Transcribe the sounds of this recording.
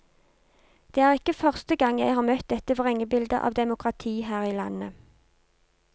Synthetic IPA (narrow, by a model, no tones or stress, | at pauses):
d̪̥eːæːʁɪkːəfœʁst̪əɡɑŋjæɪhɑːʁmœt̪̚d̪ɛt̪əʋʁɛŋəbɪld̪ə̰ʔɑ̰ːʋd̪ɛmʊkʁɑt̪ʰiːhæːʁiːlɑ̰nə